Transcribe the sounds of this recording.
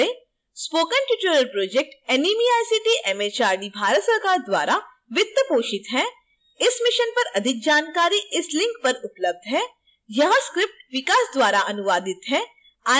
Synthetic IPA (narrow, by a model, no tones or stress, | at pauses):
e | spoːkənʈjuːʈəɾəlpɾoːd͡ʒek̚ʈɛniːmiaːjsiʈiʔɛmeːt͡ʃaːɾɖibʱaːɾət̪sɐɾkaːɾd̪wa̰ːɾa | ʋɪt̪ːəpoːʃɪt̪ɦɛː | ɪsmɪʃənpɐɾɐd̪ʱɪk̚d͡ʒaːnkaːɾiʔɪslɪ̃ŋk̚pɐɾʊpləb̚d̪ɦɛː | jɐɦãskɾɪp̚ʈʋɪkaːsd̪waːɾaʔɐnʊʋaːd̪ɪt̪ɦɛː | aː